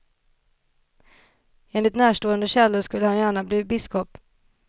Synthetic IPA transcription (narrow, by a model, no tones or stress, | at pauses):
eːnlɪt̪næːʂʈoːənd̪əɕɛlːʊʂkɵlːəhanjæːɳabliːbɪskɔp